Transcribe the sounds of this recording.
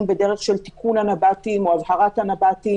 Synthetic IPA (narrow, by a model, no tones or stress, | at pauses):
nbe̞de̞ʁeχʃelt̪i̥kʰunhanabatimoazhaʁat̪hanabat̪i